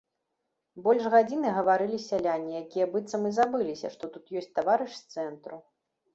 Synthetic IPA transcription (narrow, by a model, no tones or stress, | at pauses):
bɔlʲʐɣad͡zʲinɨɣɐvaɾɨlʲisʲalʲanʲːijakʲijɐbɨt̪sːɐmɨzabɨlʲisʲɐ̰ʂt̪ɔt̪ut̪jɔsʲt͡sʲt̪avaɾɨʂst̪sɛnt̪ɾu